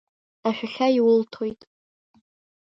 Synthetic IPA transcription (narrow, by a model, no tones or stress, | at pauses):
aħᶣaɬʲaiwʊltʰojtʼ